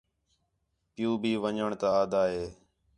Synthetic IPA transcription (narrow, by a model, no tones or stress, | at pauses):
pɪjũːbʱiːʋəɲəɳt̪aːaːd̪aːɦeː